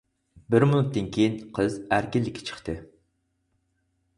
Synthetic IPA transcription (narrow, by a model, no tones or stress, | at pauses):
bɪɾmunut̪ːɨnkʲʰejinqʰəzæɾkʲɪlːɪkʲʰːɪ̥t͡ʃʰə̥χt̪ʰɨ